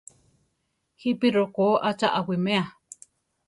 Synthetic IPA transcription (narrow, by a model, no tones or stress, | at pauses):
hipiɾokoʔat͡ʃaʔawimẽa